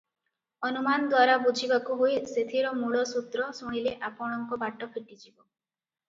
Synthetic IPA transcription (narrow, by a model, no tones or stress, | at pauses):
ɔnumanɔd̪waɾabud͡ʒʱibakuɦojset̪ʰiɾɔmuɭɔsut̪ɾɔsuɽ̃ileʔapɔɽ̃ɔŋkɔbaʈɔpʰiʈid͡ʒibɔ